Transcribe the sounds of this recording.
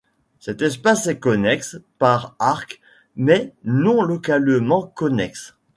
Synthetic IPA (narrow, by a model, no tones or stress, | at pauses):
sɛt̪ɛspasɛkɔnɛkspaʁaʁk | mɛnɔ̃lɔkalmɑ̃kɔnɛks